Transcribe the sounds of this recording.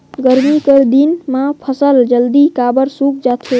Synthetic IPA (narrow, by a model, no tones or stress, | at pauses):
ɡəɾmikəɾd̪inmãpʰəsəld͡ʒəld̪ikabəɾsuk̚d͡ʒat̪ʰe